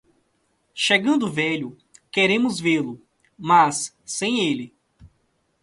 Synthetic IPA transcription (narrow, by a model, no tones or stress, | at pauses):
ʃeɡɐ̃nd̪ʊvɛʎʊ | keɾẽmʊzvelʊ | masː | ẽj̃elɪ